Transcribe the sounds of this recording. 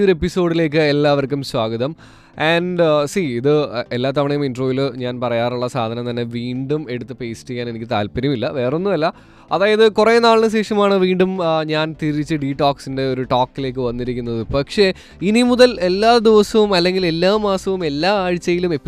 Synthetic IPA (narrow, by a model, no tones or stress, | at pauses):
o̞ɾe̞pːiso̞ːɽile̞ːk̬ːɨelːaːʋɐrkʲːumswaːɡɐðɐm | ɐɳɖsiːiðɨelːaːt̪̬ːɐʋɐɳɐjuminɖroːjilɲaːnpɐrɐjaːruɭːɐsaːd̪ʱɐnɐmt̪ɐnːe̞ʋiːɳɖume̞ɽut̪ːɨpeːsʈikʲːaːnenikʲːɨt̪a̰ːlpɐɾjɐmilːɐʋe̞ːronːuʋɐlːɐ | ɐðaːjɐðɨkureːnaːɭinɨɕe̞ːʂɐmaːɳɨʋiːɳɖumɲaːnt̪iɾit͡ɕːɨɖiʈaːksinde̞o̞ɾuʈoːkːile̞ːk̬ːɨʋɐnːiɾikʲːunːɐðɨpɐkʂe̞ | inimuðɐle̞lːaːd̪iʋɐsɐʋumɐlːe̞ŋɡile̞lːaːmaːsɐʋume̞lːaːaːɻt͡ɕːɐjilume̞pːi